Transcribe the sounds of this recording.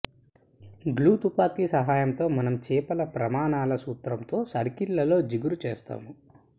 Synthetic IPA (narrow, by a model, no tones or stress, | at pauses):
ɡluːt̪upaːkiːsɐɦaːjɐmt̪o̞ːmɐnɐmt͡ʃɛːpɐlɐpɾɐmaːnaːlɐsuːt̪ɾɐmt̪o̞ːsɐɾkilːɐlo̞ːd͡ʒiɡuɾut͡ʃeːst̪a̰ːmu